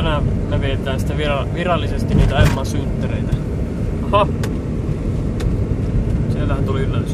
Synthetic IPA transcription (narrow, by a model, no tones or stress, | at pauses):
næneʋiet̪ˑæːnsi̥t̪æʋirɑʋirɑlːisest̪iniːt̪æemːˑɑnsynt̪ːereit̪æ | hɑ | sielːæhænt̪uliylːes